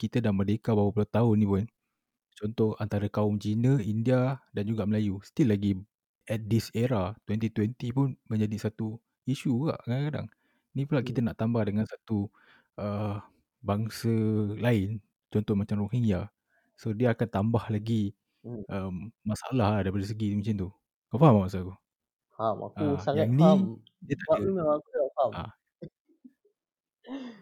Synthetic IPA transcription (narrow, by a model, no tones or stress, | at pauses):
kit̪ədaŋmədekabawəpuloht̪aʊnːĩpʊn | t͡ʃɔnt̪ɔhant̪aɾəkaʊmt͡ʃinə̃indiadand͡ʒuɡaʔməlajust̪ilːaɡi | ɛt̪̚disɛɾat̪wɛnt̪it̪wɛnt̪ipʊnmə̃ɲd͡ʒadisat̪u | iʃuka̰ʔkadaŋkada̰ŋ | nipulaʔkit̪ənaʔt̪ambahdəŋãnsat̪u | ʔə | baŋsəlaɪn | t͡ʃɔnt̪ɔhmat͡ʃamrohiŋja | sodiəakant̪ambahlaɡi | ʔəmːasaʔalahladaipadəs̬əɡimaɲt͡ʃant̪u | ɡaʔfaɦamamasalahku | hama̰kuaŋanĩ | diət̪aʔanaakuafama̰